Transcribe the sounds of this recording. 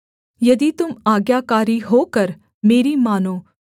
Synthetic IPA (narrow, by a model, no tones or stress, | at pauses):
jɐd̪it̪ʊmaːɡjaːkaːɾiɦoːkɐɾ | meːɾimaːnoː